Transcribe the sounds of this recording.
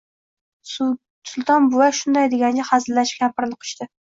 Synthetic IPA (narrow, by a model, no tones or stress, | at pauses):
sʊlˠt̪ʰɒnbʊwaʃʊnd̪ajd̪eɡʲanɡʲahazɪlːaʃɡʲapʰɪɾnɪqʰɨ̥ʃt̪ɪ